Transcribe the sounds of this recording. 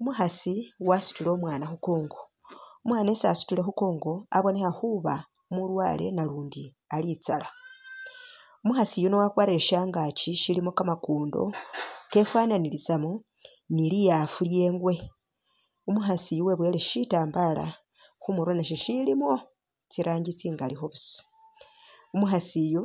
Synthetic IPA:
umuxasiwasu̥tule̞umwaːnaxukoːŋɡo̞ | umwaːnesasu̥tule̞xukoːŋɡo̞aβo̞ne̞xaxuβa | mulwa̰ːle̞̰naluːndi | alit͡sala | umuxasijuno̞wakwaɾe̞ʃaːŋɡat͡ʃiʃilimo̞kamakuːndo̞̰ke̞fwananilisamo | nilijafulje̞ːŋɡwe̞ | umuxasijuwe̞βwe̞leʃitaːmbala̰ | xumuɾwanaʃ̬iʃilimo̞ | t͡siɾʔaːɲɟit͡siŋɡalixo̞βuso̥ | umuxasijo

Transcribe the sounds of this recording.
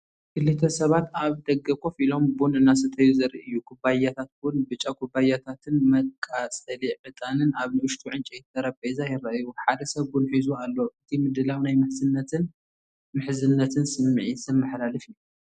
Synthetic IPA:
kʰɨlːɨt̪ʰːɐsɐβat̪aβd̪ɐɡɐkʼofilo̞mbunɨnːas̬ɨt̪ʰɐjuzɐɾḭʔɨjːukʰubajat̪ʰat̪̚bʊnbɨt͡ʃʼːakʰubajat̪ʰat̪ʰɨnmɐkʼːasʼɐliʕɨt̪ʼanɨnaβnɨwʊʃt̪ʼʰuʕɨnt͡ʃʼejt̪ʰːɐɾɐpʼːɐjzajɪɾaʔjuħad̪ɐsɐβɡunħizualːoʔɨt̪ʰimɨd̪ɨlawnajmɨħzɨnːɐt̪ɨn | mɨħzɨnːɐt̪ʰɨnsɨmːɨʕisɨnmɨħlalɨfɨjːu

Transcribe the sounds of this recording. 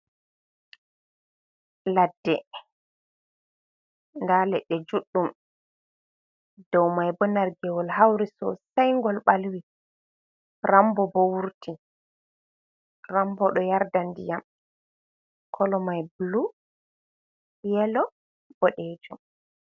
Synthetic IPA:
ladːɛ | ndalɛɗːɛd͡ʒuɗːum | d̥ɔwmajbɔnaɾɡɛwɔlhawɾisɔ̰sajŋɡɔlɓalwi | rambɔbɔwuɾti | rambɔɗɔjaɾdandijam | kʰɔlɔmajblu | jɛlɔ | b̥ɔɗed͡ʒum

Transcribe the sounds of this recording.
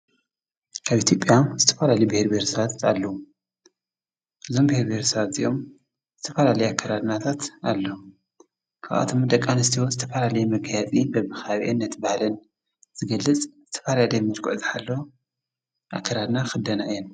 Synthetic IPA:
kʰaβʔit̪ʰjo̞pʼjazɨt̪ʰɐ̥falalɐjbɨheɾbeheɾsɐβat̪alːɐwu | ʔɨzo̞mbɨheɾbeheɾsɐβat̪zḭʔo̞m | z̥ɨt̪ʰɐfalalɐjakʰːɐɾad̪nat̪ʰat̪alːo | kʰaʔʔa̰t̪ʰomd̪ɐkʼːanɨst̪ʰiwozɨt̪ʰɐfalalɐjɛmɐɡjat͡sʼibɐmɨxaβʔɛnːɐt̪bahlɨn | z̥ɨɡɐlːɨt͡sʼz̥ɨt̪ʰɐ̥falalɐjmɨɾkʰuʕzɨħalːo | ʔakʰːɐɾad̪naxɨd̪ɐnaɨjɛn

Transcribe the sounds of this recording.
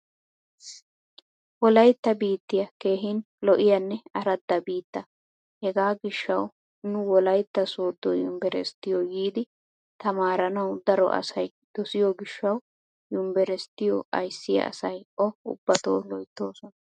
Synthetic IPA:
wɔlɐjt̪ːɐbiːt̪ːɪjɐke̞ːɦɪn | lɔʔɪjɐnːɛɐɾɐd̪ːɐbiːt̪ːɐ | hɛɡaːɡɪʃːɐw | nʊwɔlɐjt̪ːɐsoːd̪o̰jʊmbɛɾɛ̰st̪ːɪjɔɡiːd̪ɪ | t̪ɐmaːɾɐnɐwd̪ɐɾɔ̰ʔɐ̰sɐj | d̪̥ɔsɪjɔɡɪʃːɐw | jʊmbɛɾɛst̪ːɪjɔ̰ɐjsːɪjɐ̰ʔɐ̰sɐjɔʊ̰bːɐt̪o̰ːlɔjt̪ːoːsɔnɐ

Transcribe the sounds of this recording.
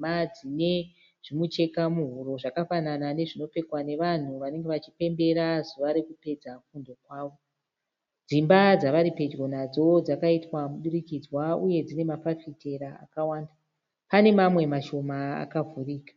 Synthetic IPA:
ad͡zine̞ | ʐ̥imut͡ʃe̞kamuɦuɾo̞ʐakafananane̞ʐino̞pe̞kwane̞ʋan̤uʋane̞ŋɡe̞ʋat͡ʃipe̞mbe̞ɾazuʋaɾekupe̞d͡zafundo̞kwaːʋo̞ | d͡zimbad͡zaʋaɾipe̞d͡ʒɡonad͡zo̞d͡zakaitwamuɗuɾikid͡zwauje̞d͡zine̞mapafitʰe̞ɾaa̰kawaːnda | pane̞mamwe̞maʃo̞ma̰ːkavʱuriːkḁ

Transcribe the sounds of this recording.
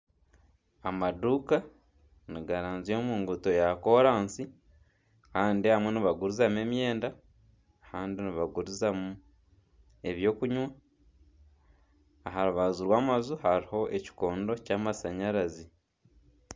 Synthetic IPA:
amaduːka | niɡaɾaːnzjo̞ːmuːŋɡuto̞jako̞ɾaːnsi | kaːndihamweniβaɡuɾuzamue̞mje̞ːnda | kaːndiniβaɡuɾuzamu | e̞βjo̞ːkuɲwa | ɦaɾuβazuɾwaːmazuhaɾiho̞ʔe̞ci̥ko̞ːndo̞caːmasaɲaɾazi

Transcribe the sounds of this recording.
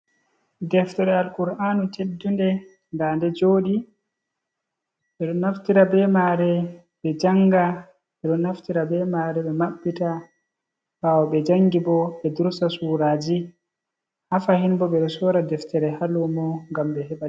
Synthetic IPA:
dɛftɛɾɛalkuɾanutedːundɛ | ndandɛd͡ʒoːɗi | ɓɛɗɔnːaftiɾabɛmaɾɛ | ɓɛd͡ʒaŋɡa | ɓɛɗɔnːaftiɾabɛmaɾɛɓɛmaɓːita | bawɔɓɛd͡ʒaŋɡibɔɓɛduɾsasuɾaːd͡ʒi | hafahinbɔɓɛɗɔsɔɾadɛftɛɾɛhalumɔŋɡamɓɛɦɛɓa

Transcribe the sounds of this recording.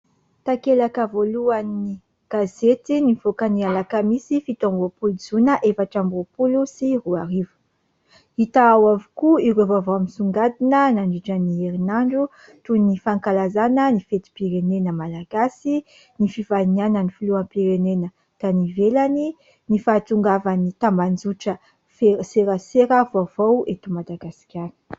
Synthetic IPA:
t̪akelakəvoluani | ɡ̥azet̪iniv̥okənialakəmisifit̪ambopuluzunəʔefaʈ͡ʂambopulusiruaɾivə̥ | it̪aawavukuiɾovavoamisuŋɡad̪inənaɳɖ͡ʐiʈ͡ʂənieɾinaɳɖ͡ʐu | t̪unifaŋkalazanənifet̪i̥piɾenenəmalaɡasi | nifivainianənifuluampiɾenenə | t̪anivelani | nifaːt̪uŋɡavanit̪amband͡zuʈ͡ʂə | fseɾəseɾəvavowet̪umad̪aɡasi̥kʲani̥

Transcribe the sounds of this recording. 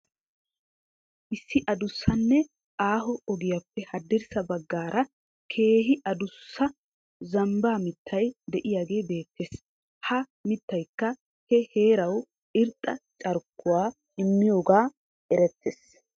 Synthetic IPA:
ʔɪsːɪʔɐd̪ʊsːɐnːɛ | ʔaːɦɔɔɡɪjapːɛhɐd̪ːɪɾsɐbɐɡːaːɾʔɐ | kʰe̞ːɦɪʔɐd̪ʊsːɐ | zɐmbaːmɪt̪ːɐjd̪ɛʔɪjaːɡe̞ːbe̞ːt̪ːeːs | hɐ | mɪt̪ːɐjkːɐ | hɛhe̞ːɾɐw | ɪɾt̪ʼːɐ̰t͡ʃʼɐɾkːʊwaː | ɪmːɪjo̞ːɡaː | ɛɾɛt̪ːeːs

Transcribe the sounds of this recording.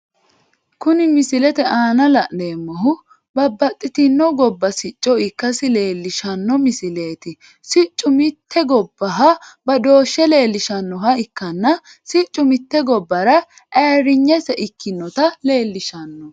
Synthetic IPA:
kʊnɪmɪsɪlɛt̪ɛʔaːnɐlɐʔde̞ːmːɔɦʊ | bɐbːɐt̪ʼːɪt̪ɪnːɔɡɔbːɐsɪt͡ʃʼːɔɪkːɐsɪle̞ːlːɪʃɐnːɔmɪsɪle̞ːt̪ɪ | sɪt͡ʃʼːʊmɪt̪ʰːɛɡɔbːɐɦɐbɐd̪o̞ːʃːɛle̞ːlːɪʃɐnːɔɦɐɪkːɐnːɐ | sɪt͡ʃʼːʊmɪt̪ːɛɡɔbːɐɾɐ | ʔeːɾɪɲːɛsɛʔɪkʰːɪnːɔt̪ɐle̞ːlːɪʃɐnːɔ

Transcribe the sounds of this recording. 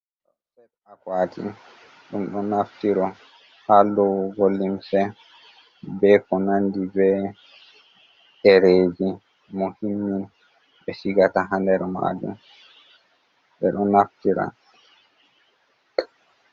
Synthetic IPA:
ɗɗɔsɛɗ | akwatḭ | ɗumɗɔnaftiɾɔ | halɔwɡolːimsɛ | bɛkɔnandibɛ | ɗɛɾeːd͡ʒi | mohimːin | ɓɛsiɡataɦandɛɾɛma̰d͡ʒṵm | ɓɛɗɔnaftiɾa̰

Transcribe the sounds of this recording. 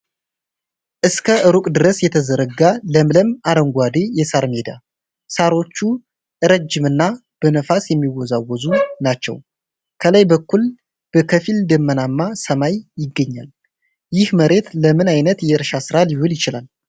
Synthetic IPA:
ʔɨskʰəʔɨɾukʼd̪ɨɾəsjɛt̪ʰəzəɾəɡaləmləmaɾəŋɡʷad̪e̞jɛsaɾmed̪a | saɾo̞t͡ʃːu | ʔɨɾəd͡ʒːɪmɨnːa | b̥ənəfasjɛmːiwɔzawɔzunat͡ʃːɛ̰w | kʰələjbəkːul | b̥əkʰəfild̪ɨmːənamːasəmajjɪɡːəɲːa̰l | jɪhməɾe̞t̪ləmɨnajnət̪jɛɨɾʃasɨɾalihuljɪt͡ʃɪlal

